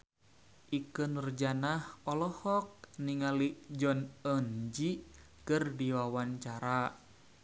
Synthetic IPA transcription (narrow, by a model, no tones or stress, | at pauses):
ʔikɨnrd͡ʒanahɔlɔhɔk̚niŋalid͡ʒɔnənd͡ʒi | kɨrdiwawant͡ʃaɾa